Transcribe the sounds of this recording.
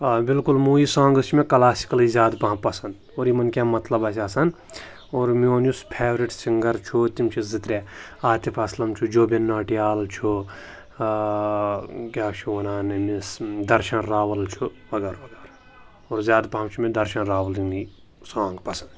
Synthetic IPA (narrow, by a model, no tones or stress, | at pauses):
bɪlkulmuːjisãːŋɡɨt͡ʃʰmẽkɐlaːsi̥kɐlizʲjaːd̪pɐɦãpɐsɐ̃nd̪oːɾjimɐnkʲãmɐt̪lɐbɐsasɐn | oːɾmioːnjuspʰeːʋɾiʈsiŋɡɐɾt͡ʃʰut̪imt͡ʃʰizit̪ɾʲeaːt̪epʰɐslɐmt͡ʃʰud͡ʒoːbenːaːʈijaːlt͡ʃʰu | kʲjaːt͡ʃʰuʋɐnaːninisd̪ɐɾʃɐnɾaːʋɐlt͡ʃʰuʋɐɡɐɾʋɐɡɐɾ | oːɾzʲaːd̪pɐɦãmt͡ʃʰumẽd̪ɐɾʃɐnɾaːʋɐlini | sãːŋɡpɐsɐnd̪t͡ʃ